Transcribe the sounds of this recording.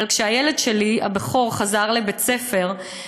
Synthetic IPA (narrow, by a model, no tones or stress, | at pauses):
lkʃeajele̞dʃe̞lia̰beχo̞ʁχazaʁlebet͡se̞fe̞ʁ